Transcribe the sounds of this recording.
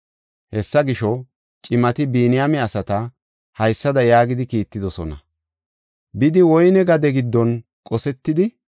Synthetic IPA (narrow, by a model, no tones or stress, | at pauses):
hɛsːɐɡɪʃɔ | t͡ʃʼɪmɐt̪ɪbiːnɪjamɛɐsɐt̪ɐ | hɐjsːɐd̪ɐjaːɡɪd̪ɪkiːt̪ːɪd̪ɔsɔnɐ | bɪd̪ɪwɔjnɛɡɐd̪ɛɡɪd̪ːɔn | kʼɔsɛt̪ːɪd̪ɪ